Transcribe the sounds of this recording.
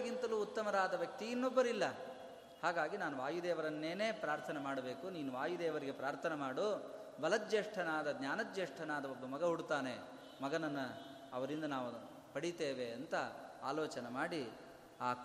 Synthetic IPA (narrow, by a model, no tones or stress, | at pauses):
ɡint̪ɐluːut̪ːɐmɐɾaːd̪ɐʋjɐk̚t̪iːnːɔbːɐɾilːɐ | haːɡaːɡinaːnuʋaːjud̪ɛːʋɐɾɐnːeːne̞ːpɾaːɾt̪ʰɐnemaːɽɐbe̞ːkuniːnuʋaːjud̪ɛːʋɐɾiɡe̞pɾaːɾt̪ʰɐnemaːɽubɐlɐt̪̚d͡ʒeːʂʈʰɐnaːd̪ɐd̪ɲjaːnɐd͡ʒeːʂʈʰɐnaːd̪ɐɔbːɐmɐɡɐɦuɽut̪aːne̞ | mɐɡɐnɐnːɐ | ɐʋɐɾind̪ɐnaːʋu | pɐɽit̪eːʋe̞ɐnt̪ɐa̰ːlɔːt͡ʃɐnemaːɽi | aː